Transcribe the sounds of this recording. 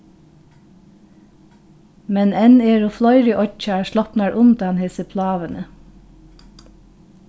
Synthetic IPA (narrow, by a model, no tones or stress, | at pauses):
mɛnɛneːɹʊːflɑʏɾɪʔɔc͡çæʃlɑpnɑɹʔʊnd̪ɑnheːsəpʰlɑːʋənə